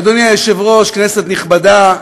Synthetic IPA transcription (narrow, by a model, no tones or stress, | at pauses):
d̪onjajeʃevʁo̞ʃkneset̪niχbada